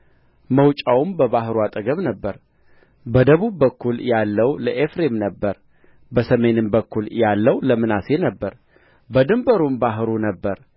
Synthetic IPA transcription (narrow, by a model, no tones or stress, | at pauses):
məwt͡ʃʼawmbəβaɦɾuat̪ʼəɡəβnəbːəɾ | bəd̪əβubːəkːuljalːəwləʔefɾe̞mnəbːəɾ | bəsəme̞nɨmbəkːuljalːəwləmɨnasenəbːəɾ | bəd̪ɨmbəɾumbaɦɨɾunəbːəɾ